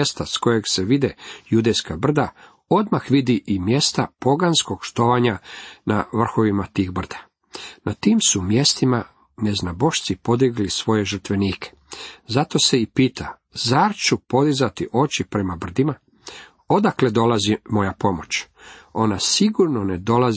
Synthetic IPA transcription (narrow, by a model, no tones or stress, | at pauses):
est̪asko̞je̞ɡseʋid̪ejud̪ejskabr̩d̪a | o̞d̪maxʋid̪iʔimje̞st̪apo̞ɡansko̞ɡʃt̪o̞ʋaɲana̰ʋr̩xo̞ʋimat̪iːxbr̩d̪̥ḁ | nʔat̪iːmsumje̞st̪ima | neznabo̞ʃt̪sipo̞d̪iɡlisʋo̞je̞ʒr̩t̪ʋe̞niːkʰe̥ | zat̪o̞seipiːt̪ʰa | zaɾt͡ʃupo̞d̪izat̪iʔo̞t͡ɕipɾe̞mabr̩d̪ima | o̞d̪akle̞d̪o̞lazimo̞japo̞mo̞t͡ɕo̞nasiɡuɾno̞ned̪o̞lazi